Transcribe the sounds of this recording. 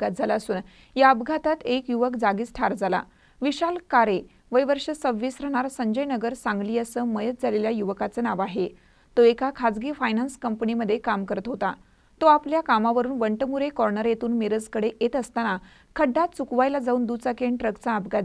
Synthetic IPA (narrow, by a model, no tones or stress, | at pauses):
ɡat̪̚d͡zʱalaəsuːn | jaəbɡʱat̪at̪ekjuʋəkd͡zaɡiːt͡sʈʰaɾd͡zala̰ | ʋiɕalkaɾe | ʋəjʋəɾʂəsəʋʋiːsɾəɳ̃aɾsəɲd͡ʑəjnəɡəɾsãŋɡliːəsəːməjət̪̚d͡zʱaleljajuʋəkat͡sənaʋaɦe | t̪oekakʰad͡zɡiːfajnanskəmpəniməd̪ʱːjekamkəɾət̪ɦot̪a | t̪oapljakamaʋəɾuːnʋəɳʈəmuɾekɔɾnəɾjet̪uːnmeɾəd͡zkəɽeʔet̪əst̪ana | kʰəɖːat̪t͡sukʋajlad͡zauːnd̪ut͡sakeɳʈɾəkt͡saəbɡʱa